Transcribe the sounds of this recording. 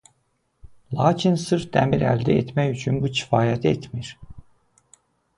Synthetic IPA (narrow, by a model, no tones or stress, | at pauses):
lˠɑːcʰinsɯɾfd̪æmiɾæ̰ld̪æet̪ʰmæjyt͡ʃʰynbucʰi̥fɑːjæt̪ʰet̪ʰmiɾ